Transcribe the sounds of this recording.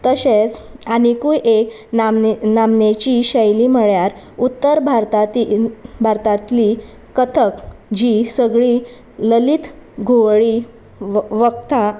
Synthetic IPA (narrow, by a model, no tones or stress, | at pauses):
t̪əɕet͡saɽ̃ikujʔek | namnet͡ɕiːɕəjlim̤əɭjaɾ | ut̪ːəɾbʱaɾt̪at̪ibʱaɾt̪at̪li | kət̪ʰəkd͡ʑisəɡɭi | ləlit̪ɡʱoʋɭi | ʋəkt̪ã